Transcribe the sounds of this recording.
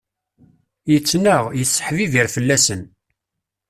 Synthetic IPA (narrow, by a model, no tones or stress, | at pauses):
jət͡sːnəʁjəθsːə̥ħviviɾfəlːæsən